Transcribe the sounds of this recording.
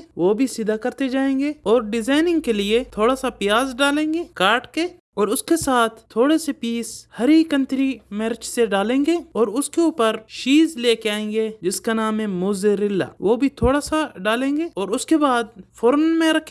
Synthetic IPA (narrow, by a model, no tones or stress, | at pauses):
ʋoːbʱisɪd̪ʱakɐɾt̪ed͡ʒaːẽːŋɡeːɔːɾɖɪzaːɪnɪ̃ŋɡ̚keliet̪ʰoːɽasapɪjaːzɖaːlẽːŋɡeːkaːɾʈke | ɔːɾʊskesaːt̪ʰt̪ʰːoːɽesepiːshɐɾikə̃nt̪ɾimɛɾt͡ʃseɖaːlẽːŋɡeːɔːɾʊskeuːpəɾʃiːzleːkeaːẽːŋ̆ɡed͡ʒɪskanaːmẽmʊːzeɾɪlːa̰ːʋoːbʱit̪ʰoːɽasaɖaːlẽːŋɡeːɔːɾʊskebaːd̪fʰoːɾənmẽɾɐkʰ